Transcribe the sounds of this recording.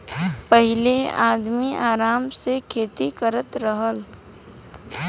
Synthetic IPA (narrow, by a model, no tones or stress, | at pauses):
pəɦɪlea̰ːd̪miʔaːɾaːmsekʰeːt̪ikəɾət̪ɾəɦəl